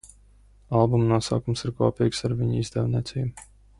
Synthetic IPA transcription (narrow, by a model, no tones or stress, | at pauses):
alˠbumnuɔsa̰ːkumsiɾkuɔpiːksaɾviɲizd̪ɛwnʲiɛt̪sʲḭːb